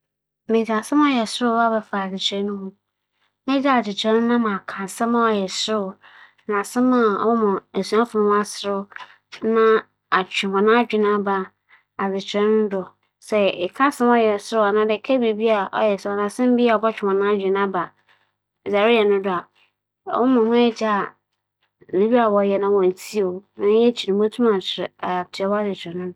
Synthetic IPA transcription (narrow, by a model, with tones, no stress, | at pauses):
mẽ˨sã˨sɛ̃˦m˦ɔ˦jɛ˨sʊ˦ɾʊ˦a˦bɛ˨fa˨d͡zɪ˨t͡ɕʰɛ̃˦nːʊ̃˦mũ˦ | nɛ˦d͡ʑa˦˨d͡ʑɪ˨t͡ɕʰɛ̃˦nː˦ã˦mã˨kʰã˨sɛ̃˦ma˦ɔ˨jɛ˨sʊ˦ɾʊ˦˨ | nã˨sɛ̃˦mã˦ɔ̰˦ɔ˦mɔ̃˨e˨su˨˦ã˦fʊ˨nʊ̃˦m̃˦a˦sɪ˨ɾʊ˦ | nã˦ | a˨t͡ɕᶣɪ˨mɔ̃˨nã˦d͡ʑᶣɪ˨nã˦ba˨ | a˨d͡zɪ˨t͡ɕʰɛ̃˦nʊ̃˦dʊ˨ | sɛ˨ɪ˨kʰa˦sɪ̃˦m˦ɔ˦jɛ˨sɪ˦ɾʊ˦a˨nã˦dɪ˨kʰɛ˦bi˨bi˦a˨ʔɔ̰˦jɛ˨sɛ˦˨ɔ˨ã˨sɪ̃˦m̩˦bi˦a˨ɔ˨bɔ˦t͡ɕᶣɪ˨mɔ̃˨nã˦d͡ʑᶣɪ˨nã˦ba˨ | za˨ɾi˦jɛ˨nʊ̃˦dʊ˦a̰˨˦ | ɔ˦mʊ̃˨hʊ̃˦ɛ˦d͡ʑa˦˨ | nĩ˨˦ɥi˦a˨wɔ˨jɛ˨nʊ̃˦wɔ̃˨n˨tʰi˦o˨nã˦jɛ˦t͡ɕʰi˨nʊ̃˨˦bo˦tʰũ˦ã˨t͡ɕʰɪ˨ɾɪ˨a˨tʰɪ˨ɛ˨˦wɔ˦a˦d͡zɪ˨t͡ɕʰɛ̃˨nʊ̃˦dʊ˨